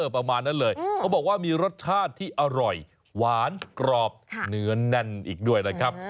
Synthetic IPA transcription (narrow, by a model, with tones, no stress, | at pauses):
pːɾa˧maː˧nːa˥˩nlɤː˧jkʰa˦˥˩bɔː˨˩k̚waː˥˩miː˧ɾo˦˥t̪̚t͡ɕʰaː˥˩t̪ʰːiː˥˩ʔa˧ɾɔ˨˩j | waː˨˦˥nkɾɔː˨˩p̚nɯ˩˦˥ɐnɛ˧nʔiː˨˩k̚du˥˩əjna˦˥kʰɾa˦˥p̚